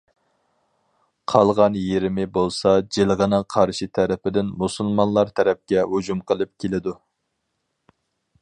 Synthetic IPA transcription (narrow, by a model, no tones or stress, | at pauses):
qʰɑlˠʁɑnjeɾɪmɪbolˠsɑd͡ʒelˠʁənɨŋqʰɑɾʃit̪ʰæɾɪpɪd̪ɪnmusulˠmɑnlˠɑɾt̪ʰɛɾɛp̚kʲɛɦud͡ʒumqʰəlˠɨp̚kʲʰelɪd̪u